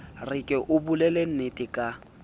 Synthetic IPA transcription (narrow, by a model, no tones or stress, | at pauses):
rɪkʼɪʔʊbulɛlen̩netʼɪkʼa